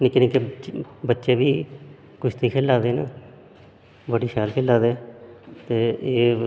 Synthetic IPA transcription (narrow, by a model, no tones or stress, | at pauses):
nikɪɾẽːkebətːʃeːbiː | kʊt͡ʃʰt̪ʰiːkʰeːlːaːd̪eːnaː | bəɽiːʃʰɛːlkʰeːlaːd̪eːt̪eːeː